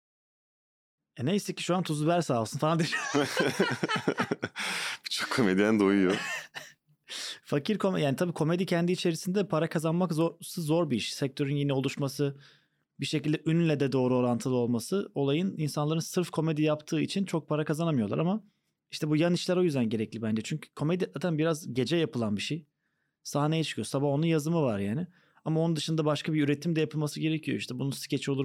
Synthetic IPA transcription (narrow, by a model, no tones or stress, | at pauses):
ɛnejsɛci̥ʃuant̪ʰuzubæɾsaːlˠsɯnfalˠand̪iɾ | bit͡ʃʰokʰo̞med̪id̪ænd̪ojujo | facʰiɾkʰo̞mjaːnit̪ʰabiːkʰo̞me̞d̪icʰɛnd̪iːt͡ʃʰe̞ɾisind̪ɛpʰaɾakʰazanmakzosɯzːo̞ɾbiiʃsɛc̚t̪ʰø̞ɾynjinɛo̞lˠuʃmasɯ | biʃecilʲd̪ɛʔynlʲɛd̪ɛd̪o̞ːɾuo̞ɾant̪ʰɯlˠɯo̞lˠmasɯo̞lˠajɯninsanlˠaɾɯnsɯɾfkʰo̞me̞d̪ijapt̪ʰɯːit͡ʃʰint͡ʃʰo̞k̚pʰaɾakazanamɯjo̞lˠa̰ɾama | iʃt̪ʰɛbujaniʃlʲæɾo̞jyzd̪ænɟe̞ɾɛclʲibænd͡ʒɛt͡ʃʰyɲcʰy̥kʰo̞med̪iʔat̪ʰambiɾazɟe̞d͡ʒɛjapʰɯlˠanbiʃej | saɦne̞jɛt͡ʃʰɯ̥kʰɯjo̞sabaho̞nunjazɯmɯvaɾjaːnɪ | amaonund̪ɯʃɯnd̪abaʃkʰabiyɾe̞t̪ʰimd̪ɛjapʰɯlˠmasɯɟe̞ɾecʰijoiʃt̪ʰɛbununsi̥cʰet͡ʃʰio̞lˠuɾ